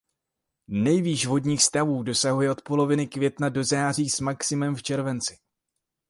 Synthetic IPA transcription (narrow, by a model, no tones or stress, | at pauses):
nɛjviːʃvo̞dɲiːxst̪avuːdo̞saɦujɛʔo̞t̪po̞lo̞vɪnɪkvjɛt̪nado̞zaːriːsmaksɪmɛmft͡ʃɛɾvɛnt͡sɪ̥